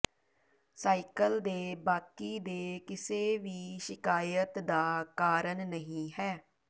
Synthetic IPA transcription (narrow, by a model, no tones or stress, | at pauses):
saːikəld̪eːbaːkiːd̪eːkɪseːʋiːʃɪkaːjət̪d̪aːkaːɾəɳnəɦĩːɦɛː